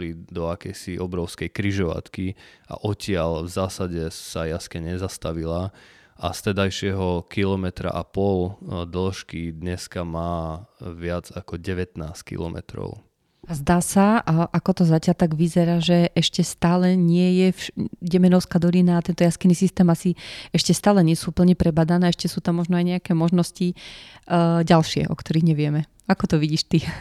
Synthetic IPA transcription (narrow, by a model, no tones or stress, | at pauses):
lid̪ɔakɛjsiʔɔbɾɔʊskɛjkɾiʒɔʋa̰t̪kia̰ʔɔcɪalvzaːsaɟɛsajaskɛɲɛzast̪aʋila | a̰st̪ɛd̪ajʃɪɛɦɔkilɔmɛt̪ɾa̰ʔapɔld̪l̩ʃkid̪ɲɛskamaːʋɪad͡zakɔɟɛʋɛt̪naːskḭlɔ̰mɛ̰t̪ɾɔ̰ʊ | azd̪aːsaʔakɔt̪ɔzacɪaʎt̪aɡʋizɛɾaːʒɛʔɛʃcɛst̪aːlɛɲɪɛjɛfɟɛmɛnɔʊskaːd̪ɔlinaːt̪ɛnt̪ɔjaskinisist̪ɛːmasiɛʃcɛst̪aːlɛɲɪɛsuupl̩ɲɛpɾɛbad̪anɛːɛʃcɛsuːt̪amːɔʒnɔajɲɛakɛːmɔʒnɔsci | ɟalʃɪɛ̰ʔɔ̰kt̪ɔɾiɣɲɛʋɪɛmɛ | akɔt̪ɔʋiɟiːʃt̪i